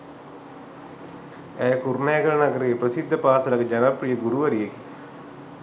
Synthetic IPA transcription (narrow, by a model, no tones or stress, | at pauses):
eːkurmeːɡɐɾɐɳɐɡɐɾiprɐsid̪ʱːɐpaːsɐlɐkɐd͡ʑɐnɐprijɐɡuɾuʋɐɾijɐki